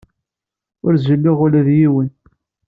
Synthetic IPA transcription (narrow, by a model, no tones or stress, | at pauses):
ʊɾzəlːiʁʊlæðjiwən